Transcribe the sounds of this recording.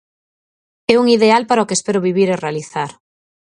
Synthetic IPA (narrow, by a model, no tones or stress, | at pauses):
ɛuŋiðealpaɾaokespɛɾʊβiβiɾerealiθaɾ